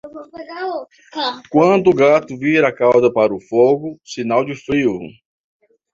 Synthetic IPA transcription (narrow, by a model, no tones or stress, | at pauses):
kwɐ̃d̪ʊːɡat̪ʊviɾakawzɐpaɾʊfoɡʊsinawd͡ʒɪfɾiʊʊ̰